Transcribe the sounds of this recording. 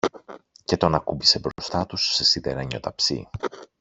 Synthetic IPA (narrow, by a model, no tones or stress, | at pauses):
ce̞t̪o̞nɐkubisebɾo̞st̪ɐt̪usːe̞sit̪eɾɐɲo̞t̪ɐpsḭ